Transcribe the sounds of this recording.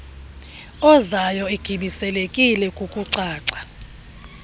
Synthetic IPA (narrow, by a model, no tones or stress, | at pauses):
ɔzajɔeɡ̥ʱiɓisɛlekʼilɛkʼukʼuǀaːǀḁ